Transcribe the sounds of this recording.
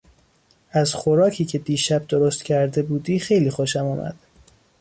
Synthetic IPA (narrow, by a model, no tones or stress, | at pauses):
æzχoɾɒːcʰiːcʰe̞d̪iːʃæb̚d̪oɾost̪cʲʰæɾd̪e̞buːd̪iːxe̞jliːxoʃæmuːmʔæ̰d̪̥